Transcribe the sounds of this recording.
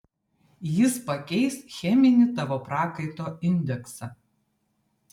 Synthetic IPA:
jɪspɐkʲɛɪsxʲɛmʲɪnʲɪt̪ɑʋoːpɾɑːkɐɪt̪oːɪnʲd̪ʲɛksɐ

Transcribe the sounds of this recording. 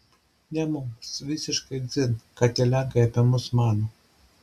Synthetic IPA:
nʲɛmʊmsʋʲɪsʲɪʃkɐɪd̪zʲɪnkɐt̪ʲɛlʲɛŋkɐɪɐpʲɛmʊsmɑːno

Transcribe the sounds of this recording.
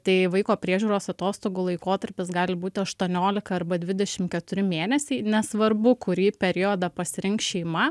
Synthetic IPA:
t̪ɐɪʋɐɪkoːpʲɾʲiɛʒʲuːɾoːsɐt̪oːst̪oːɡulˠɐɪkoːt̪ɐɾʲpʲɪsɡɑːlʲɪbuːt̪ʲɪɐʃt̪uɔnʲoːlʲɪkɐɐrbɐd̪ʲʋʲɪd̪ʲɛʃʲɪmkʲɛt̪ʊɾʲɪmʲeːnʲɛsʲɛɪnʲɛsʋɐrbʊkʊɾjiːpʲɛɾʲjoːd̪ɐpɐsʲɪɾʲɪŋkʃʲɛɪmɐ

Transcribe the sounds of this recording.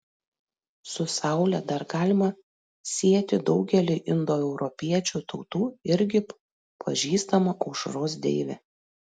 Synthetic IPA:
sʊsɑˑʊlʲɛd̪ɐɾɡɑːlʲɪmɐ | sʲiɛt̪ʲɪd̪ɒʊɡʲɛlʲiʔɪnd̪oːɛʊɾɔpʲiɛt͡ʃʲuːt̪ɒʊt̪uːɪɾʲɡʲɪ | pʰɐʒʲiːst̪ɐmɐʔɒʊʃɾoːs̬d̪ʲḛːʋʲɛ

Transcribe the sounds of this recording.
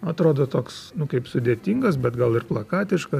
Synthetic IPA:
ɐt̪ɾoːd̪oːt̪oːksnʊkɐɪpsʊd̪ʲeːt̪ʲiːŋɡɐs̬bʲɛt̪ɡɐlˠɪrplˠɐkɑːt̪ʲɪʃkɐ

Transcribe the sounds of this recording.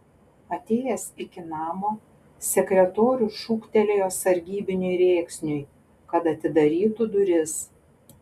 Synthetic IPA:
ɐt̪ʲeːjɛsɪkʲɪnɑːmoː | sʲɛkɾʲɛt̪oːɾʲuːʃuːkt̪ʲɛlʲeːjɐsɐɾʲɡʲiːbʲɪnʲʊɪɾʲeːksʲnʲʊj | kɐt̪ɐt̪ʲɪd̪ɐɾʲiːt̪ud̪ʊɾʲɪs

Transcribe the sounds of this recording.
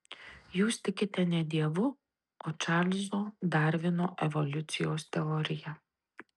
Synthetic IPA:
jusʲt̪ɪkʲɪt̪ʲɛnʲɛd̪ʲɛʋʊ | ɔt͡ʃalʲzɔd̪aɾʋɪnɔʔɛʋɔlʲut̪sʲijost̪ɛɔɾʲɪja

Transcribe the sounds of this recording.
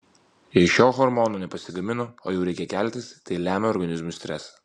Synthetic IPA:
jɛɪʃʲoːɣɔɾmɔnoːnʲɛpɐsʲɪɡɐmʲɪnooːjɛʊɾʲɛɪkʲɛkʲæˑlʲt̪ʲɪst̪ɐɪlʲæːmʲɛɔɾɡɐnʲɪzmʊsʲt̪ʲɾʲɛs

